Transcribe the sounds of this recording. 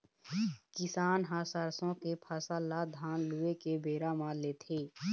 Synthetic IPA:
kɪsaːnɦasəɾsõkepʰəsəlːad̪ʱaːnluekebeːɾamaleːt̪ʰeː

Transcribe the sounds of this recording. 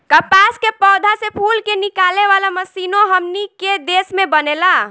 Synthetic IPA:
kəpaskepɔːd̪ʱasepʰulkenikaleʋalaməsinoɦəmniked̪esmebənela

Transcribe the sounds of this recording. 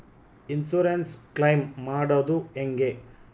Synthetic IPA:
insuɾensklɐjmːaːɽɐd̪ueŋɡe

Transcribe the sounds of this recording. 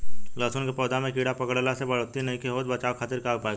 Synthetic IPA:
lɔːsʊnkepɔːd̪amẽkiːɽapɐkəɽlasebəɭoːt̪inɐɦĩkeɦoːd̪bɐt͡ʃaːʋkʰaːt̪ɪɾkaːopaːeɡ

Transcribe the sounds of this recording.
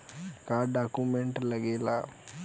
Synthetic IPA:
kaːɖaːkumeɳʈlɐɡela

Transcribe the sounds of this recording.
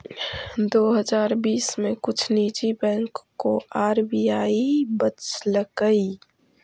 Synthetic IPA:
d̪oːɦəd͡ʒaːɾbiːsmẽkʊt͡ʃʰniːt͡ʃibɛ̃ːŋkːoʔaːɾbijaːibət͡ʃləkəi

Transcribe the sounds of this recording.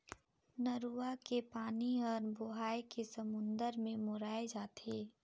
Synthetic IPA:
nəɾuakepaːniɔːɾbʊɦaːjkesəmʊ̃nd̪əɾmẽmʊɾaːed͡ʒaːt̪eː

